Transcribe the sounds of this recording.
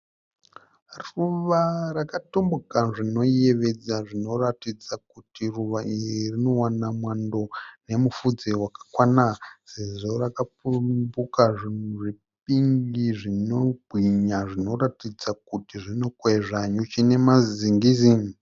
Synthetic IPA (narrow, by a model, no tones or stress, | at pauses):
ruʋarakatombukaʐino̞je̞ʋe̞d͡zaʐino̞ratid͡zakutiruʋaʔiirino̞wanamwando̞ne̞mufud͡zewakḁkwanase̞ʐo̞rakapubukaʐinuʐi | p̚iŋɡiʐino̞ɡʱwiɲaʐino̞ɾatid͡zakutiʐino̞kweʐaɲut͡ʃine̞maziŋɡizi